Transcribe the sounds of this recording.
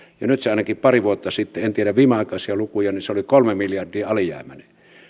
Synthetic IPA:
jɑnyt̪seɑˑenɑkippɑriʋuot̪ːɑsit̪ːeent̪ieɾæʋʋiːmeɑˑekɑˑsiɑlukujɑniseolikolmemiljɑrdiːɑlijæ̰ˑːmæne

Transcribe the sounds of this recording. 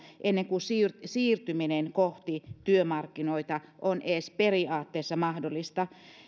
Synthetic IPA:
ʔenːeŋkusiːrsiːrt̪yminenkoht̪it̪yømɑrkːinoit̪ɑʔonʔeːsperiɑːt̪ːeːsːɑmɑhdolːist̪ɑ

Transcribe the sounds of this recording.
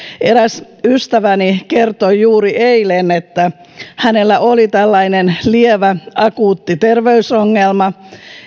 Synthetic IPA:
eɾæs | yst̪æʋænikert̪ojjuːɾiʔeilenet̪ːæ | hænelːæʔolit̪ælːɑinenlieʋæɑkuːt̪ːit̪erʋeysoŋːelmɑ

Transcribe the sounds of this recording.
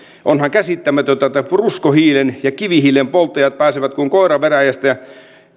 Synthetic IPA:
ʔonhɑŋkæsit̪ːæmæt̪ot̪æt̪æpruskohiːlenjɑkiʋihiːlempolt̪ːˑɑjɑt̪̚pæːseʋæt̪kuŋkoˑeɾɑʋeræjæst̪æjɑ

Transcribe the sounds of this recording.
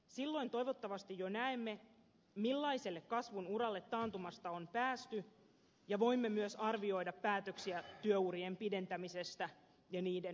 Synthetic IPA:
silːo̞int̪o̞jʋo̞t̪ːɑʋɑst̪ijjo̞næemːe̞ | milːɑise̞lːekkɑsʋunuɾɑlːe̞t̪ːɑːnt̪umɑst̪ɑompæːst̪y | jɑʋo̞jmːemyøsɑrʋio̞jdɑpːæːt̪øksiæt̪yøuriempide̞nt̪æmise̞st̪æ | jɑniːden

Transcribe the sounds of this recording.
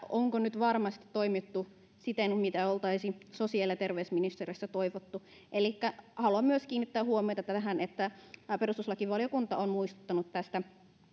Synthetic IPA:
oŋkonyt̪ʋɑrmɑst̪i̥t̪toimit̪ːu | sit̪enmit̪æolt̪ɑisisosiɑlɑt̪erʋeysminist̪eresːæt̪oiʋot̪ːu | ʔelikːæhɑluɑmmyøskiːnːit̪ːæːhuomiojt̪ɑt̪ææɦænet̪ːæpe̞rust̪uslɑkiʋɑlijokunt̪ɑonmuist̪u̥t̪ːɑnut̪tæst̪æ

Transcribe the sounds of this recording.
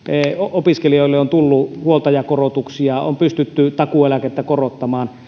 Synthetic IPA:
oopiskelioˑilːeont̪ulːuhuolt̪ɑjɑkorot̪uksiɑo̰mpyst̪yt̪ːyt̪ɑkuelæket̪ːækorot̪ːɑmɑːn

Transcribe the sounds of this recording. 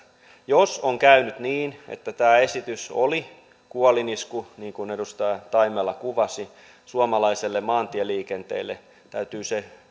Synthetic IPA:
josoŋkæynyt̪niːnḛt̪ːæt̪æːesit̪yso̰li | kuoliniskuniːŋkunedust̪ɑjɑt̪ɑimelɑkuʋɑsi | suomɑlɑiselːemɑːnt̪ieliːkent̪ḛilːe | t̪æyt̪yːse

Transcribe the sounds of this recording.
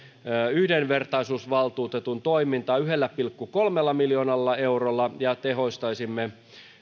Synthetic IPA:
yhdenʋert̪ɑisuːsʋɑlt̪uːt̪et̪unt̪oimint̪ɑːyɦelːæpilkːukolmelːɑmiljoːnɑlːɑeurolːɑjɑt̪eɦo̞ist̪ɑisimːe

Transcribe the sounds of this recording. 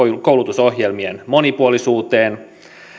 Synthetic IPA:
kouwlut̪uso̞ɦje̞lmienmo̞nipuolisuːt̪eːn

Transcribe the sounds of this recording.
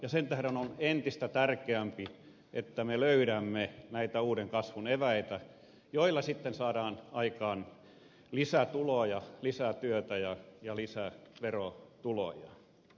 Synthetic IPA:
jɑsent̪æhɾenonent̪ist̪æt̪ærkeæmpi | et̪ːæmeløyɾæmːenæit̪æuːɾeŋkɑsʋuneʋæit̪æ | joilːɑsit̪ːensɑːɾɑːnɑikɑːn | lisæt̪ulojɑlisæt̪yøt̪æjɑjɑlisæʋerot̪ulo̰jɑ̰

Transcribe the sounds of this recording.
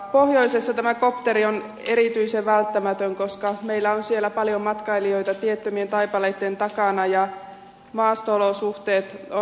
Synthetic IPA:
pohjo̞isesːɑt̪æmækopt̪eɾion | eɾit̪yiseʋʋælt̪ːæmæt̪øŋkoskɑmeilːæonsielːˑæpɑljomːɑt̪kɑilio̞jt̪ɑt̪iet̪ːømient̪ɑjpɑleit̪ːent̪ɑkɑnɑjɑ | mɑːst̪oolosuht̪eːt̪o

